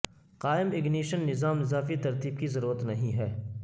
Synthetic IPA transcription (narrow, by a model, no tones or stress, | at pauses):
qaːɪmɪɡniːʃənːɪzaːmɪzaːfit̪ɐɾt̪iːbkizɐɾuːɾət̪nɐɦĩɦɛː